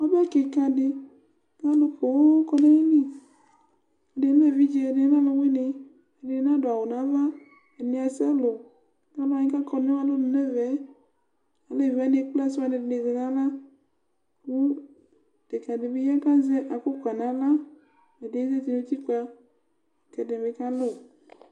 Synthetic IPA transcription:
wa˦bke˨ka˨dɪ˨ | ka˦lo˨xo˨˦kɔ˦ne˦e˦ni˦ | e˨de˨˦e˦vi˦d͡ʒe˨de˨˦nã˦lo˨we˦ne˨ | e˨de˨˦nã˦do˨a˨wo˨nã˨˦va˦ | e˨ne˨a˨sɛ˦lo˨˦ | ka˦la˨ɲĩ˦ka˦kɔ˨ne˦a˦lo˦n˨ne˦vɛ˨˦ | a˨le˦vɛ˨˦ne˨˦k͡pla˦se˦a˨ne˨dne˨ɣe˨nã˦la˦ | ku˦ | d̥e˨ka˨de˨be˦ja˦ka˦zɛ˦ʔa˨ko˦kʷa˨nã˨˦la˦ | e˨de˨˦ze˦t̪i˨no˦t̪i˦ka˨ | kɛ˨de˨me˨ka˦lo˦

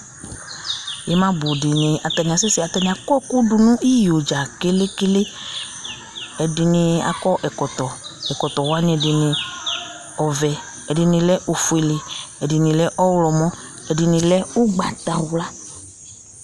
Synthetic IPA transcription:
jɛ˨˦mã˦bʊ˨dɪ˨nɪ̃˨a˨t̪a˨nĩ˨a˨sɪ˦si˦a˨t̪a˧nĩ˨a˨kɔ˦˨ku˦du˨nũ˦ʔi˦jo˨d͡ʒa˨ke˦le˦kɪ˦le˦ | ɛ˨dɪ˨nɪ̃˧a̰˨kɔ˦ʔɛ˨kɔ˨t̪ɔ˨ɛ˨kɔ˨t̪ɔ˨wa˦ɲĩ˦ɛ˨dɪ˨nɪ̃˧ | ɔ˨vɛ˨ | ɛ˨dɪ˨nɪ̃˨lɛ˦ʔo˨fu˨e˨le˨ɛ˨dɪ˨nɪ̃˨lɛ˦ʔɔ˦wlɔ˨mɔ̃˦ | ɛ˨dɪ˨nɪ̃˨lɛ˦u˦ɡ͡ba˨t̪a˨wla˦

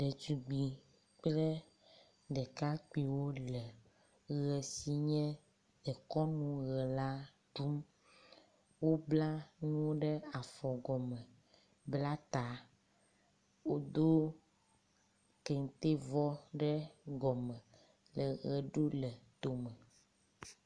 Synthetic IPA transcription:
ɖɛ˨d͡ʒu˨˦ɡ͡bi˨ | k͡ple˦ | ɖɛ˨ka˦k͡pi˨wo˦lɛ˨ | ɣɛ˨si˦ɲɛ̃˦ | ɛ˨kɔ˦nũ˦ɣɛ˨la˦ | tu˦m | wo˦bla˦nũ˦wo˦ɖɛ˦a˨fɔ˨ɡɔ˨mɛ̃˨ | bla˦t̪a˨ | wo˦d̪o˦ | kɛ˨ŋ˨t̪e˦vɔ˦ɖɛ˦ɡɔ˨mɛ̃˨ | lə˨ɣɛ˨ɖo˦lɛ˨t̪o˨mɛ̃˨

